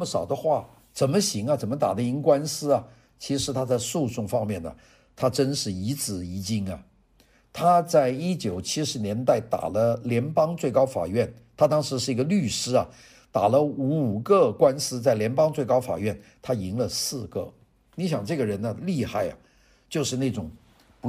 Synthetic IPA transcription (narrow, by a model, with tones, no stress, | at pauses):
ə˧mə˧˩ʂɑ˨˩ʊd̪ə˦xwa˥˩ | t͡sə˨˩nmə˦ɕi˧˥ŋɐ˧t͡sə˨˩nmə˦t̪a̰˨˩d̪ə˦i˧˥ŋkwa˥nsɹ̩˥ɐ˨ | t͡ɕʰi˧˥ʂɻ̩˧˥t̪ʰa˥t͡sa˥˧ɪsu˥˧ʊʈ͡ʂʊ˥˩ŋfɑ˥ŋmjɛ˥˩nə̰˩ | t̪ʰa˥ʈ͡ʂə˥nʂɻ̩˥˩i˧˥t͡sɹ̩˨˩i˧˥t͡ɕi˥ŋɐ̰˨ | t̪ʰa˥t͡sa˥˩ɪi˥t͡ɕjo˨˩ʊt͡ɕʰi˥ʂɻ̩˧˥njɛ˧˥nt̪a˥˩ɪt̪a̰˨˩lə˦ljɛ˧˥npɑ˥ŋt͡swe˥˩ɪkɑ˥ʊfa̰˨˩ɥɛ˥˩n | t̪ʰa˥t̪ɑ˥ŋʂɻ̩˧˥ʂɻ̩˥˩i˧˥ɡə˧ly˥˩ʂɻ̩˥ɐ˨ | t̪a˨˩lə˦u˧˥u˨˩ɡə˥˧kwa˥nsɹ̩˥t͡sa˥˩ɪljɛ˧˥npɑ˥ŋt͡swe˥˩ɪkɑ˥ʊfa̰˨˩ɥɛ˥˩nt̪ʰa˥i˧˥ŋlə˧sɹ̩˥˧ɡə̰˥˩ | ni˧˥ɕ̬jɑ˨˩ŋʈ͡ʂɤ˥˩ɡə˩ɻə˧˥nə˧li˥˧xa˥˩ɪɐ̰˩ | t͡ɕjo˥˧ʊʂɻ̩˥˧ne˥˩ɪʈ͡ʂʊ˨˩ŋ | pu˧˥